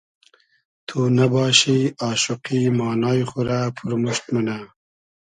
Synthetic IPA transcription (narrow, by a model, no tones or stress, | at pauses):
t̪ʰuːnabɑːɕiɑːʃuqimɑːnɑːjχuɾapʰuɾmuʃt̪muna